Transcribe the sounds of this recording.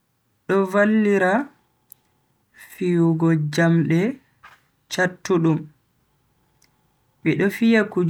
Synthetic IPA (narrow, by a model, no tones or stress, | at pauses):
ɗɔvalːiɾa | fijuɡɔd͡ʒamɗɛ | t͡ʃatːuɗum | ɓɛɗɔfijakud͡ʒ